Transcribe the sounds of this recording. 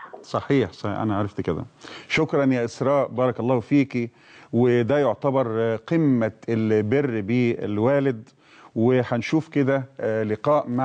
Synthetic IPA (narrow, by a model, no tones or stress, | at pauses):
sˤɑħiːħsˤɑʔæ̰næʕaʕɾˤɑft̪ked̪æ̰ʃokɾˤɑnjæːʔɪsɾˤɑːʔbɑːɾˤɑkɑlˤːɑːhfiːki | wed̪æjoʕt̪æbɑɾˤqimːæelberːbiːḛlwæːlɪd̪ | weħænʃuːfked̪æleqɑːʔma